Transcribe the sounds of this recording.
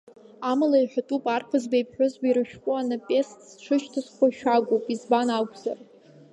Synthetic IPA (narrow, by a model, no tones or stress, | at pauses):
amalaiħʷᶣatʼupʼarpʰazbejpʰħʷᶣʊzbaiɾɨʃᶣkʷʼʊanapʼe̞stʰʼz̥ʈ͡ʂʷʰɨʃtʰɨsχʷaʃᶣaɡʷopʼizbanakʷʰʼza̰r